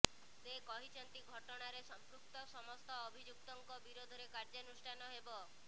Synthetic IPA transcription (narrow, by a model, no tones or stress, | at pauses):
sekɔɦit͡ʃʰɔnt̪iɡʱɔʈɔɽ̃aɾesɔmpɾuk̚t̪ɔsɔmɔst̪ɔːbʱid͡ʒuk̚t̪ɔŋkɔbiɾod̪ʱɔɾekaɾd͡ʒɔnusʈʰanɔɦebɔ